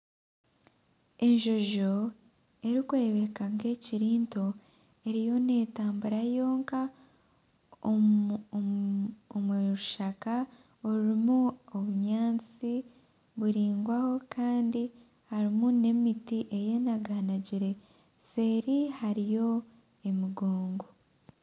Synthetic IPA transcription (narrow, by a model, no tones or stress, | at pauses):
e̞ɲʒo̞ʒo̞ | e̞ɾikuɾeβe̞kaŋɡe̞ciɾiːnto̞ | e̞ɾijo̞ne̞ːtaːmbuɾajo̞ːŋka | omuɾuʃaka | oɾɾimuoβuɲaːnt͡si | βuɾiːŋɡwaho̞kaːndi | haɾimune̞mitiʔe̞je̞naɡanaɟiɾe̞ | se̞ːɾihaɾijo̞ | e̞miɡoːŋɡo